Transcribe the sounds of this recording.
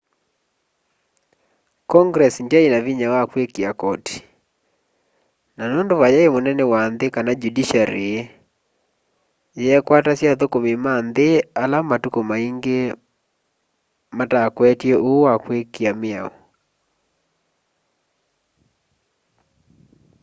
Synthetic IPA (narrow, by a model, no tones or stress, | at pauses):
kɔŋɡɾɛsindjainaβiɲawakwekiakɔti̥ | nanondoβajaemonɛnɛwanðekanad͡ʒudiʃaɾee | jɛkwatasjaðokomimanðealamatukomaiŋɡe | matakwɛtjeʔowakwekiamɪa̰o̰